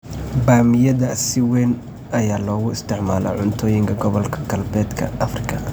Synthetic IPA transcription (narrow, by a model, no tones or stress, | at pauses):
baːmɪjɐðɐsɪwɛːn | ʔɐjaːlɔːɣʊɪst̪ʰɪʕmaːlɐ̰ʕʊnt̪ʰɔːjɪŋkʰɐɡɔβɔlkʰɐ̥ɡɐlbɛːd̪kʰɐ̰ɐfrɪkʰɐ